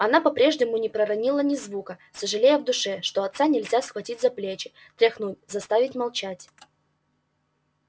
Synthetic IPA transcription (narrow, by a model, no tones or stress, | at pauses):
ɐnapɐpɾʲe̞ʐnʲɪmʊnʲɪpɾəɾɐnʲilˠənʲɪzvukəsəʐɨlʲejəvd̪ʊʂɛʂt̪o̞ɐt̪sanʲɪlʲzʲasxvɐtʲitʲzɐplʲet͡ɕɪ | t̪ɾʲɪxnutʲzɐst̪avʲɪtʲmɐlˠt͡ɕætʲ